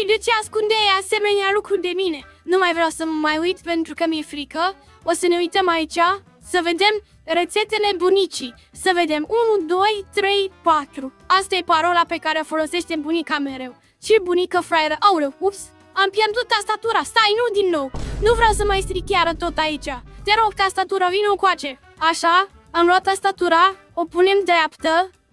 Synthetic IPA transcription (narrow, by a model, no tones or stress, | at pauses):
ʃid̪et͡ʃeaskund̪ejase̞me̞nealukɾud̪e̞mine̞numajvɾjawsəməmajujt̪pe̞nt̪ɾukəmje̞fɾikə | osəne̞ujt̪əmait͡ʃʲa | səve̞d̪e̞m | ret̪se̞t̪e̞le̞bunit͡ʃi | səve̞d̪e̞munud̪o̞jt̪ɾe̞jpat̪ɾu | ast̪aje̞paɾo̞lape̞kaɾeofo̞lo̞se̞ʃt̪e̞mbunikame̞ɾe̞w | t͡ʃebunikəfɾaeɾəʔawlewkups | ampjerd̪ut̪ast̪at̪uɾast̪ajnud̪inːo̞wnuvɾʲawsəmajst̪ɾikʲjaɾət̪o̞t̪ait͡ʃat̪eɾokt̪ast̪at̪uɾəvineokwat͡ʃe̞ | aʃa | amloat̪ast̪at̪uɾa | opune̞md̪ɾapt̪ə